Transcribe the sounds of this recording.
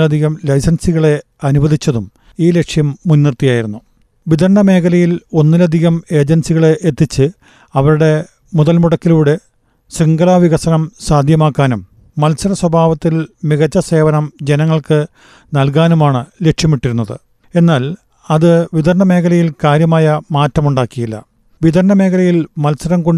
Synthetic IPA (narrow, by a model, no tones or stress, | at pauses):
lɐd̪ʱiɣɐmlɐjsɐnsiɣɐɭe̞ | ɐnubʱɐðit͡ɕːɐðum | iːle̞kʂjɐmːunːirt̪ijaːjiɾunːu | ʋid̪ɐrɳɖɐme̞ːkʰɐlɐjilo̞nːilɐd̪ʱiɣɐme̞ːd͡ʑensiɣɐɭe̞ʔet̪ːit͡ɕːɨ | ɐʋɐɾuɽe̞ | muðɐlmuɽɐkːiluːɽe̞ | siŋɡɐlaːʋiɣɐsɐnɐmsaːd̪ʱjɐmaːkːaːnumː | ɐlsɐɾɐswɐbʱaːʋɐt̪ːilmiɣɐt͡ɕːɐse̞ːʋɐnɐmd͡ʑe̞nɐŋːɐɭkɨ | nɐlk̬aːnumaːɳɨle̞kʂjɐmiʈːiɾunːɐðɨ̰ | e̞nːaːl | ɐðɨʋid̪ɐrɳɐme̞ːkʰɐlɐjilkaːɾjɐmaːjɐmaːtːɐmuɳɖaːkːijilːɐ̰ | ʋid̪ɐɾɳɐme̞ːkʰɐlɐjilmɐlsɐɾɐmkoɳ